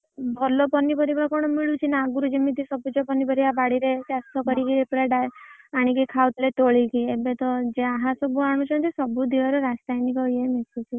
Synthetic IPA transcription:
bʱɔlɔpɔnːipɔɾibakɔɽ̃ɔmiɭut͡ʃʰinaːɡuɾud͡ʒimit̪isɔbud͡ʒɔpɔnːipɔɾibabaɽiɾet͡ʃast̪ɔkɔɾikiepuɾaɖajaɽ̃ikikʰawt̪let̪oɭikiebet̪ɔd͡ʒeaɦãsɔbuaɽ̃ũt͡ʃʰɔnt̪isɔbud̪ʱiʋaɾɔɾast̪ajnikɔiemesut͡ʃʰi

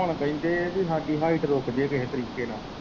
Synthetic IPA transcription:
əɳpəĩːnd̪eːsiːɦãːɖiːɦaːiʈɾoːkd͡ʒeːkəɦeːt̪əɾiːkeːnaː

